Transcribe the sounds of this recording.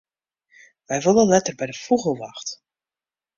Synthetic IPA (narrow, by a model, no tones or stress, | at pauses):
ʋɛjʋolˠənlɛtərbɛjdəfuɣəlˠʋaxt